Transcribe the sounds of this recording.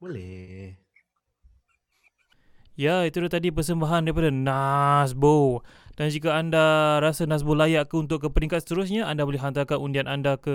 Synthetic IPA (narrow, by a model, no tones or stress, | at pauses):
bolɛ | jait̪ulaht̪adipərsəmbaɦandaɾipadanas̬bod̥and͡ʒikaandaɾasanãs̬bolajaʔkəunt̪̬ʊʔkːəpəɾiŋkat̪̚sə̥t̪əɾusɲaandabolɪhɦant̪akanundianʔandakə